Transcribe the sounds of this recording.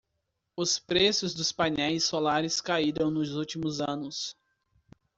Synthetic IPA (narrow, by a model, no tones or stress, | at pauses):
ʊspɾesʊzd̪ʊspajnɛjsːolaɾɪskaiɾɐ̃w̃nʊzuwt͡ʃimʊzɐ̃nʊs